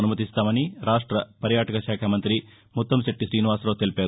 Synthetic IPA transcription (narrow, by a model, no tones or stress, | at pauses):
ɐnumɐt̪ist̪aːmɐniɾaːʂʈɾɐpɐɾjaːʈɐkɐʃaːkʰɐmɐnt̪ɾi | mut̪ːɐmseʈːiʃɾiːniʋaːsɾoːt̪elpeːɾ